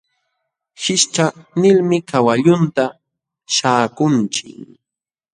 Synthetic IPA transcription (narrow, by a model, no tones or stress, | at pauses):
ʃɪʃt͡ʃanɪlmɪkawaʎʊnt̪a | ʃaːkʊnt͡ʃɪ̰ŋ